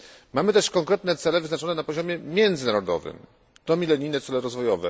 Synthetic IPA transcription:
mamɘt̪ɛʂkɔŋkɾɛt̪nɛt̪sɛlɛvɘznat͡ʂɔnɛnapɔʑɔmʲjɛmʲjɛnd̪zɘnaɾɔd̪ɔ̰vɘ̰m | d̪ɔmʲilɛɲijnɛt̪sɛlɛɾɔzvɔjɔvɛ̰

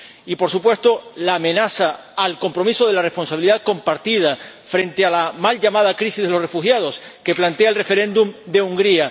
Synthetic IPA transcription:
ipo̞ɾsupwe̞st̪o̞laːmẽ̞nasaː | lko̞mpɾo̞misoð̞e̞lare̞spo̞nsaβiliðaðko̞mpaɾt̪ið̞a | fɾe̞nt̪ealamalʝamað̞akɾisizðe̞lo̞sre̞fuxjað̞o̞ske̞plant̪eaelrefe̞ɾẽ̞nd̪umd̪e̞uŋɡɾia

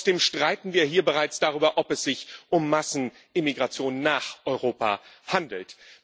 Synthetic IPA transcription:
sd̥eːmʃtʁ̥aɪtn̩viːɐɦiːɐbəʁaɪt͡sd̥aʁ̞yːbɐʔɔpɛsz̥ɪçʔʊmːasn̩ | ʔɪmiɡʁat͡sjoːnːaːχʔɔʏʁoːpa̰handl̩t

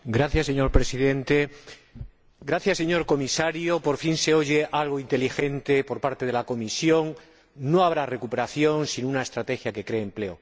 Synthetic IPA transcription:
ɡɾaθjase̞ɲo̞ɾpɾesiðe̞nt̪e̞ | ɡɾaθjasːe̞ɲo̞ɾko̞misaɾjopo̞ɾfinse̞o̞ʝe̞ʔalɣ̞oint̪e̞lixe̞nt̪e̞po̞ɾpaɾt̪e̞ð̞e̞lako̞misjo̞ŋ | no̞aβ̞ɾare̞kupe̞ɾaθjo̞nsinunae̞st̪ɾat̪e̞xjake̞kɾe̞ːmple̞o

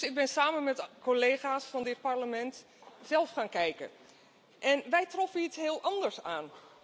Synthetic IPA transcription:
sɪɡ̚bɪnsaːmənmɛtkoleːχaːsfɑndɪt̚pɑɹləmɛnt | zɛlˠfχaːnkɛjkə̰ | ʔɛnʋɛjtrɔfənitsɦɪːlˠʔɑndəɹsa̰ːn

